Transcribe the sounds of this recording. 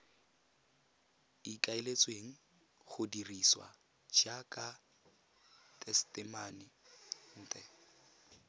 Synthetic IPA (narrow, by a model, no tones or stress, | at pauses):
ikʼaelet͡sʼweŋ̩ | χʊdiriswa̰ | d͡ʒakʼa | tʼɛstʼɪmanɪn̩ːtʼɛ